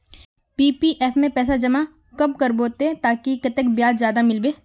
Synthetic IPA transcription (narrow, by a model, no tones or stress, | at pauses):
piːpiʔɛːpʰmẽpɛːsad͡ʒɐma | kɐb̚kɐɾboːt̪et̪aːkikɐt̪ək̚bjaːdzjaːd̪amɪlbeː